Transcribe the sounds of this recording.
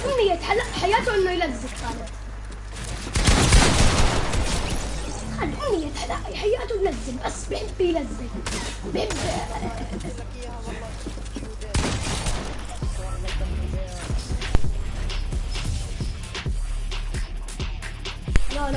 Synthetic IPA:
ʔʊnːijat̪ħalːaʔħajaːt̪ʊʔɪnːʊjlazːɪkxaːlɪd̪ | xalːʔʊnːijat̪ħalːaʔjħajːaːt̪ʊjlazːɪlbasːbɪħɪbːjlazːɪl | bħɪbː

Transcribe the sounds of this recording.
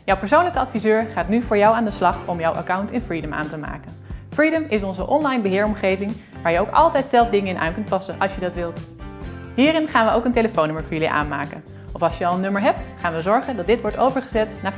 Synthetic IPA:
jɔwpəɹs̬ownləkəɑtfizøːɹχaːtnyvʊːɹjʌwaːndəslɑχɔmjɔwʔa̰kawntɛnfɹidəma̰ːntəma̰ːkənfridəmɪsɔnzəʔɔnlɑjnbəɦɪːɹɔmχejvɪŋ | ʋaːɹjəowkɑ̰lˠtɛjtsɛlˠvdɪŋəɪnʔa̰ːnkɵnt̚pɑsənʔɑlˠʃjədɑtʋɪlˠt | ɦiːɾɪnχaːnʋəʔowkənteləfownʏməɹvɔːɹjəliʔa̰ːnma̰ːkən | ɔfɑlˠʃjəɑlˠənːɵməɹɦɛp̚tχaːnʋəzɔɹχəndɑt̚dɪtʋɔɹtowvəɹχəzɛtnaː

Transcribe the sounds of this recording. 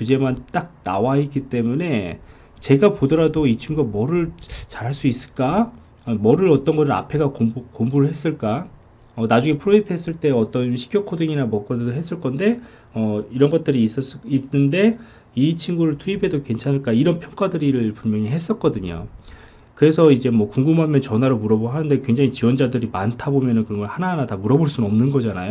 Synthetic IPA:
t͡ɕud͡ʑe̞mant͈ak̚na̰wait̚k͈it͈e̞mune̞ | t͡ɕe̞ɡapodʌɾadoit͡ɕʰiŋɡuɡamʌɾɯɭt͡ɕaɾɦaɭs͈uis͈ɯ̥ɭk͈a | mʌɾɯɾʌt͈ʌnɡʌɾɯɭa̰pʰe̞ɡakokombuɾɯɭɦe̞s͈ɯɭk͈a | ʌnad͡ʑuŋe̞pʰɯɾod͡ʑe̞k̚tʰɯɦe̞s͈ɯɭt͈e̞ʌt͈ʌnɕʰi̥kjʌkʰodɯŋinamʌk̚k͈ʌddoɦe̞s͈ɯɭk͈ʌnde̞ | ʌiɾʌnɡʌt̚t͈ɯɾiːs͈s͈inɯnde̞ | it͡ɕʰiŋɡuɾɯɭtʰuibʰe̞dokwent͡ɕʰanɯɭk͈aiɾʌnpʰjʌŋk͈adɯɾiɾɯɭpummjʌŋiɦe̞s͈ʌt̚k͈ʌdɯɲo̰ | kɯɾe̞sʰʌid͡ʑe̞mwʌkuŋɡumɦamjʌnt͡ɕʌnwaɾomuɾʌboɦanɯnde̞kwɥe̞ŋd͡ʑaŋit͡ɕiwʌnd͡ʑadɯɾimantʰabomjʌnɯnkɯɾʌŋɡʌɭhananatamuɾʌboɭs͈unʌmnɯnɡʌd͡ʑanajo

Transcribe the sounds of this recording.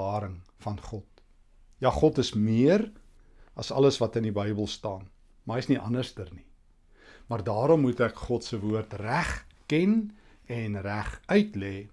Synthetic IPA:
ɑːɾəŋfɐnχɔt̚ | jɑːχɔtəsmiər | ɐsɐləsvɐtənibəjbəlˠstɑːn | mɐɦəjsniʔɐ̰nərstərni | mɐrdɑːɾɔmːutækχɔtsəvuərtræχkɛn | ɛnræχœɥtlɛː

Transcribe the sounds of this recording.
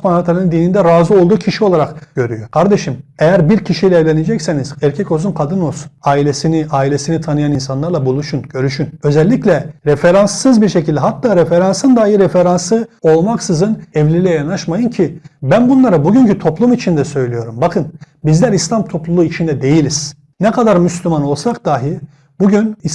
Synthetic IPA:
manhaklˠaɾɯnɯnd̪iːnind̪ɛɾaːzuo̞lˠd̪uːcʰiʃio̞lˠaɾakɟ̥øɾyjo̞kʰaɾd̪e̞ʃimejæɾbiɾcʰiʃijlʲɛːvlʲened͡ʒɛcseniz̥æɾcʰɛco̞zunkʰad̪ɯno̞saːilʲesiniʔaːilʲe̞sinit̪ʰanɯjaninsanlˠaɾlˠabulˠuʃunɟ̥ø̞ɾyʃynø̞zɛlʲːiclʲɛɾefe̞ɾansːɯzbiɾʃe̞cʰilʲd̪ɛɦat̪ʰːaːɾefeɾansɯnd̪aːjɯɾefeɾansɯo̞lˠmaksɯzɯnɛvlʲiɾilʲɛjanaʃmajɯncʰibænbunlˠaɾɯbuɟyɲcyt̪ʰo̞plˠumit͡ʃʰind̪ɛsø̞jlʲijo̞ɾumbakʰɯn | bizlʲæɾislʲˠamt̪ʰo̞plˠulˠuit͡ʃʰind̪ɛd̪e̞jilʲiz̥ | nɛkad̪aɾmyslʲymano̞lˠsak̚d̪aːɦi | buɟyni

